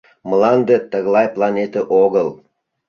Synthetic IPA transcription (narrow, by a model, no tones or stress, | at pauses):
məlˠɑnd̪et̪əɣlˠɑjplˠɑnʲet̪əʔoɣəlˠ